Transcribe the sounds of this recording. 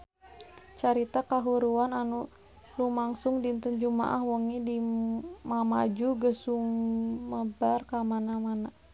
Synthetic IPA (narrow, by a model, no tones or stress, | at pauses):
t͡ʃaɾit̪akaɦuɾuananu | lumaŋsʊŋdint̪ənd͡ʒuma̰ʔahwɔŋidimama̰d͡ʒuɡəsuməbarkamanamana